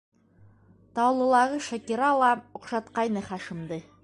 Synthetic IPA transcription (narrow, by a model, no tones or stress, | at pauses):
t̪ɑwlˠɤ̆lˠɑʁɤʃækiɾɑlˠɑŏqʃɑt̪qɑjnɤχæʃɘ̆md̪ɤ